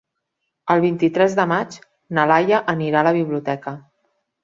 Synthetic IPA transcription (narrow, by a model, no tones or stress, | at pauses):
əlˠβint̪it̪ɾɛzðəmad͡ʒ | nəlajəʔəniɾaləβiβliut̪ɛkə